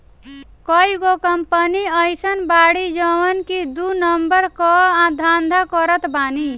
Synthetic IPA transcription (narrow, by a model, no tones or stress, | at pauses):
kɔiɡokəmpəniəjsənbaɽid͡ʒəʋənkid̪unəmbəɾkɔãd̪ʱand̪ʱakɔɾət̪bani